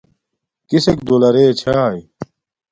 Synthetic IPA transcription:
kisekd̪olɐɾeːt͡ɕʰaːj

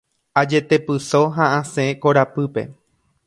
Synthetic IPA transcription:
ad͡ʒe̞t̪e̞pɨso̞ɦãʔãseko̞ɾapɨpe̞̰

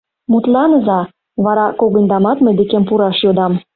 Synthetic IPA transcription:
mut̪lɑnəzɑ | βɑɾɑkoɣə̆nd̪ɑmɑt̪mə̆d̪ekempuɾɑʃjod̪ɑm

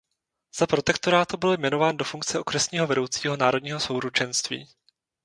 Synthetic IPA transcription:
z̥apɾo̞t̪ɛkt̪oɾaːt̪ubɪljmɛno̞vaːndo̞fuŋk̚t͡sɛʔo̞kɾɛsɲiːɦo̞vɛdo̞wt͡siːɦo̞naːɾo̞dɲiːɦo̞so̞wɾut͡ʃɛnst̪vḭː

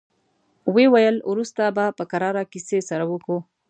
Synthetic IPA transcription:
wewajəlwɾust̪abapəkaɾɑɾakisesaɾawəku

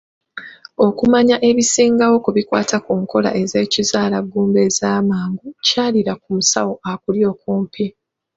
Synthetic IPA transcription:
o̞kumaɲaʔe̞βisiːŋɡawo̞kuβikwa̰ːtʰakuːŋko̞la̰ʔe̞ze̞ːcizaːlaɡuːmbe̞zaːmaːŋɡucaːliɾakumusa̰wo̞ʔakuljo̞ːkuːmpʰi

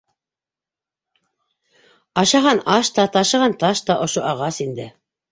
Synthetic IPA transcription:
ɑʃɑʁɑnɑʃt̪ɑt̪ɑʃɤ̆ʁɑnt̪ɑʃt̪ɑʔŏʃoʔɑʁɑsind̪ɘ

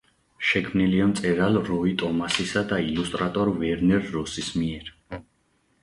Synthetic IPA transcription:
ʃɛkʰmniliamt̪sʼɛɾalɾɔit̪ʼɔmasisad̪ailust̪ʼɾat̪ʼɔɾvɛɾnɛɾːɔsismiɛɾ

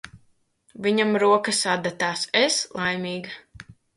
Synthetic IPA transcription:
viɲamɾuɔkasad̪at̪aːseslˠʔajmʲiːɡa

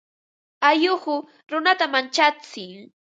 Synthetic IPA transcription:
ajʊhʊ | ɾʊnat̪amant͡ʃat͡sɪŋ

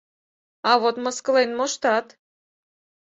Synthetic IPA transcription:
ɑβot̪məskɤ̆lenmoʃt̪ɑt̪

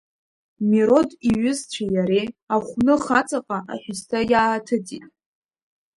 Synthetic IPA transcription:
miɾo̞diɥʏzt͡ɕʷʰajaɾeaχʷnɨχat͡sʼaqʼaʔa̰ħᶣʊstʰajaːtʰɨtʰʼitʼ

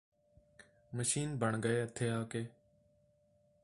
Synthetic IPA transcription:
məʃiːnbʱəɳɡəeːət̪ʰːeːaːkeː

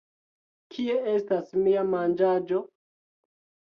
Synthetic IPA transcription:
kʰie̞e̞stasmiamand͡ʒad͡ʒo

